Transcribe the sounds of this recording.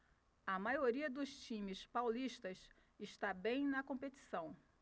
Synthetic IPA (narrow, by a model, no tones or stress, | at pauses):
ɐmajoɾiɐd̪ʊst͡ʃĩmɪspawliʃt̪ɐs | ɪʃt̪abẽj̃nɐkõmpet̪i̥sɐ̃w̃